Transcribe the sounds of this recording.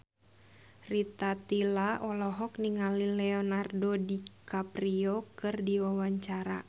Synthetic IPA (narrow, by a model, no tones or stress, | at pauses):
rit̪at̪ilaʔɔlɔɦɔk̚niŋalilɛɔnardodikapriɔkɨrdiwawaɲt͡ʃaɾa̰